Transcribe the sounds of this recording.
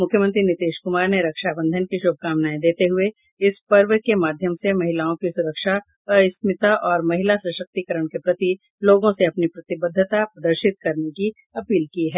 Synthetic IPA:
mʊkʰjəmə̃nt̪ɾinɪt̪eːʃkʊmaːɾneɾɐkʃaːbə̃nd̪ʱənkiʃoːb̚ʱkaːmnaːẽd̪eːt̪eɦʊe | ɪspɐɾʋkemaːd̪ʱjəmsemɐɦɪlaːõkisʊɾəkʃa | ɪsmɪt̪aʔɔːɾmɐɦɪlasɐʃək̚t̪ikəɾəɽ̃kepɾɐt̪i | loːɡõseɐpnipɾɐt̪ɪbəd̪ʱːət̪apɾɐd̪əɾʃɪt̪̚kɐɾneki | ɐpiːlkiɦɛː

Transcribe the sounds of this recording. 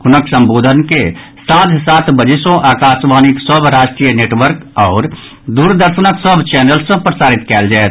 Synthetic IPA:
kʊnəksə̃mboːd̪ʱənke | sãːt̪ʰsaːt̪bəd͡ʒesõʔaːkaːsʋaːnɪksəbʱɾaːʃʈɾijəneːʈwəɾkɔːɾ | d̪uːɾd̪əɾʃənəksəbʱt͡ʃɛːnəlsẽpɾəsaːɾɪt̪kɛːld͡ʒaːet̪

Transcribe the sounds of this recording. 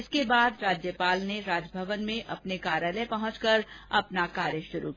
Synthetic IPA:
ɪskebaːd̪ɾaːd͡ʒjəpaːlneɾaːd͡ʒbʱɐʋənmẽʔɐpnekaːɾjaːləepɐɦʊ̃t͡ʃkɐɾɐpnakaːɾjəʃʊɾṵki

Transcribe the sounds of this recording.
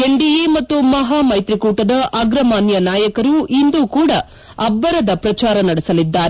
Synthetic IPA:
eɳɖijemɐt̪ːumɐɦaːmɐjt̪ɾikuːʈɐd̪ɐʔaːɡɾɐmaːnjɐnaːjɐkɐɾuʔind̪ukuːɽɐ | ɐbːɐɾɐd̪ɐpɾɐt͡ʃaːɾɐnɐɽesɐlid̪ːaːɾe

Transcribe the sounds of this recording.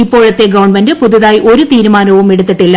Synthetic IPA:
ipːo̞ːɻɐt̪ːeɡɐʋɐɳbɐndɨpoðuðaːjʔo̞ɾut̪iːɾumaːnɐʋumeɽut̪ːiʈːilːɐ

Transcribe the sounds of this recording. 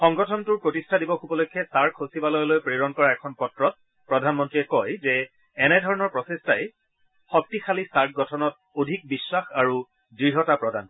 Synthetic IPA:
xɔŋɡɔtʰɔntʊɹpɹotistʰadibɔxubɔlokʰːjɛsaɹtʰosibalɔjlojpɹeɹɔnkɔɹaɛkʰɔnpɔtɹɔt̚ | pɹɔdʱanmɔntɹiɛkɔjzɛ | ɛnɛdʱɔɹɔnɔɹpɹɔsestaj | xɔk̚tixʰalisaɹt̚ʰɡɔtʰɔnɔt̚ | odʱik̚biswaxaɹu | dɹiɦɔtapɹɔdan

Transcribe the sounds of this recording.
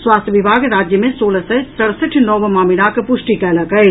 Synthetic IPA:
swaːst̪ʰjəʋɪbʱaːɡɾaːd͡ʒjəmẽsoːləsɛsəɽsəʈʰnɔːʋmaːminakpʊʃʈikɛːləkəe

